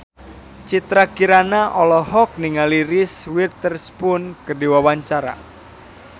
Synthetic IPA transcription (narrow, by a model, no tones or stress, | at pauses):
t͡ʃit̪ɾakiɾanaʔɔlɔhɔk̚niŋaliɾɪswirt̪ərspʊnkərdiwawaɲt͡ʃaɾa̰